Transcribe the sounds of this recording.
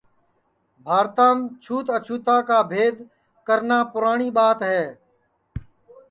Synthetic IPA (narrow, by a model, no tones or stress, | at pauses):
bʱaːɾt̪aːmt͡ʃʰuːt̪ət͡ʃʰuːt̪aːkaːbʱeːd̪ | kəɾnaːpʊɾaːɳiːɓaːt̪ɦɛː